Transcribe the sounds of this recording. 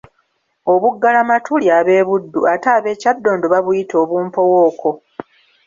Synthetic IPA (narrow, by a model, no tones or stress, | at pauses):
oβuɡːalamatʰuljaːβe̞ːβudːuataːβe̞ːcadːo̞ːndoβaβujito̞ːβuːmpo̞wo̞ːko̞